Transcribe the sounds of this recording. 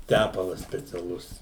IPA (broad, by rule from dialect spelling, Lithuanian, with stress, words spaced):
ˈtʲæpɐlˠɐs sʲpʲɛt͡sʲɛˈlˠʊs